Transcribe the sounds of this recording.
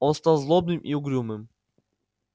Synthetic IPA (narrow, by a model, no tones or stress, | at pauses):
ɔst̪ɐzlˠob̚nɨmʔiʊɡɾʲumɨm